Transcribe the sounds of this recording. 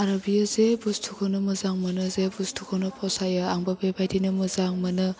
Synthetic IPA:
aɾabijazebustʰukʰɔnɯmɯzaŋmɯnɯzebustʰukʰonɯpʰɔsajɯaŋbabebajdinɯmɯzaŋmɯnɯ

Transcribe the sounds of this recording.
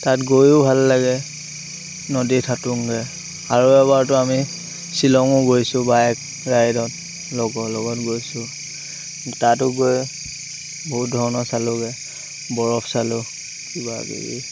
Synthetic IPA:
tatɡojʊbʱalːaɡɛ | nɔditʰatuŋɡɛ | aɹuɛbaɹtʊami | silɔŋʊɡojsʊbajɛk | ɹajdɔt | lɔɡɔlɔɡɔtɡojsʊ | tat̬ʊɡoj | bɔɦut̚dʱɔɹɔnɔsalʊɡɛ | bɔɹɔpʰsalʊ | kiba̰ɡḭɡḭ

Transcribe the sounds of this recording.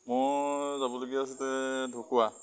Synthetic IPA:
mɔzabɔloɡiaːs̬utɛdʱokuwa

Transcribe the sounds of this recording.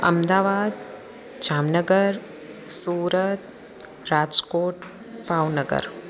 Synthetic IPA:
ɐ̰md̪aːʋaːd̪ | d͡ʒaːmnəɡəɾ | suːɾət̪̚ | ɾaːd͡ʒkoːʈ | paːwnəɡə̰ɾ

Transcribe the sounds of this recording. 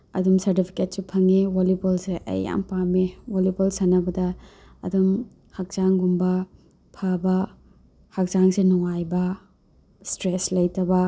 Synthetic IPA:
ɐdumsɐɾtipʰi̥ket̚supʰɐŋiwolipolseʔɐ̰jːa̰ŋpamiwolipolsɐnɐbɐdɐ̰ː | dum | hɐk̚t͡ʃaŋɡumbɐ | pʰabɐ | hɐk̚zaŋsenuŋajbɐ | stɾeslɐjtɐbɐ

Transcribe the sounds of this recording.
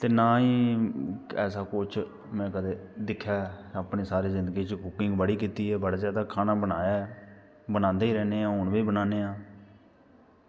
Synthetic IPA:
t̪eːnaːiː | ɛːsaːkʊt͡ʃ | mɛ̃ːkəd̪eːd̪ɪkʰːjaːaːpneːsaːɾiːzɪnd̪əɡiːt͡ʃəkʊkɪ̃ŋɡbəɽiːkiːt̪iːɛːbəɽaːd͡ʒɛːd̪aːkʰaːnaːbənaːjaː | bənãːnd̪eːiːɾɛːneːãːɦʊɳbiːbənãːneːaː

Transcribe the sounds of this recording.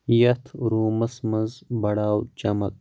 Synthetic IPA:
jɐt̪ʰɾuːməsmɐnzbɐɽaːwt͡ʃɐmɐ̰k̚

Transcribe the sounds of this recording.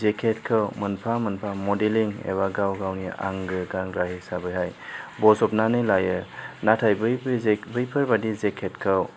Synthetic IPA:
zekʰet̚kʰɯwmɯnpʰamɯnpʰamɔdeliŋḛwaɡawɡawnia̰ŋɡɯɡaŋɾaɦisabɯjɦajbɔzɔp̚nanɯjlajɯnatʰajbɯjbbɯjpʰɯɾbadizekʰetkʰɯw

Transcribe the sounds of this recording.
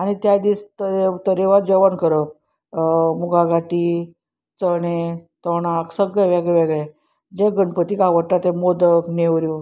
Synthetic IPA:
añit̪jad̪iːst̪əɾt̪əɾeʋad͡ʑəʋənkəɾəp̚ | muɡaɡaʈi | t͡səɽ̃et̪əɽ̃aksəɡɭɛʋɛɡɭɛʋɛɡɭɛ | d͡ʑeɡəɳpət̪ikaʋəʈat̪ẽmod̪əkneʋɾjo

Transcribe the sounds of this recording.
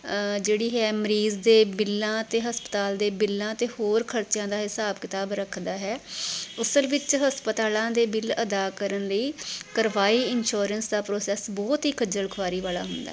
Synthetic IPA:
d͡ʒeːɽiːɦɛːməɾiːzd̪eːbɪlːãːt̪eːɦəspət̪aːld̪eːbɪlːãːt̪eːhoːɾkʰəɾt͡ʃjãːd̪aːɦɪsaːbkɪt̪aːbɾəkʰd̪aːɦɛːʊsəlʋɪt͡ʃɦəspət̪aːlãːd̪eːbɪləd̪aːkəɾənləiːkəɾʋaːiːɪnʃoːɾənsd̪aːpɾoːsɛːsbɔːt̪ɦiːkʰəd͡ʒəlkʰʋaːɾiːʋaːla̰ːɦʊnd̪a̰ː

